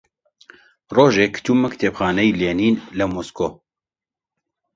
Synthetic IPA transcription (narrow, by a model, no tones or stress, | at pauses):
roːʒeːkʰɨ̥t̪ʰuːmɛkt̪ʰepxaːnɛjleːniːnlɛmoskoː